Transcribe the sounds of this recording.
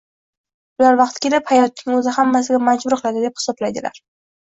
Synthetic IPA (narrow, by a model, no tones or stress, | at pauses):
ʊlaɾvɑqt̪kʲe̞lɪphajɒt̪̚nɪŋɵzɪhamːas̬ɪɡʲamad͡ʒbʊɾqʰɨlˠad̪ɪd̪ep̚hɪ̥sɒblajd̪ɪla̰ɾ